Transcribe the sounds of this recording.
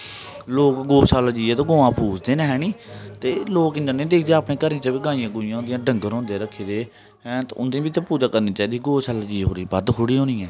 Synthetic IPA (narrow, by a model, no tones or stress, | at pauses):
loːkɡoːsaːlad͡ʒiːeːt̪õːɡoːãːpʰuːsd̪eːnɦɛːniːt̪eːloːkɪ̃nd̪əɾnẽːd̪eːkʰd̪eːaːpnẽːkəɾniːt͡ʃaːbiːɡaːijãːɡʊɪjãːd̪ɪjãːɖəŋɡəɾɔ̃ːnd̪eːɾəkʰːeːd̪eː | ɛ̃ːt̪ːʊ̰nd̪ĩbɪt͡ʃãːpuːd͡ʒaːkəɾniːt͡ʃaːiːd̪iɡoːsaːlad͡ʒiːɦoːɾiːbəd̪kʰʊɽiːɦõːnĩːɛ̃ː